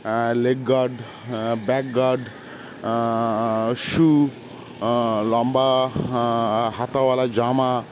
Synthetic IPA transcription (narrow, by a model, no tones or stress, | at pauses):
leɡɡaɾɖ | bɛkɡaɾɖ | ʃu | lɔmba | ɦat̪awalad͡ʒama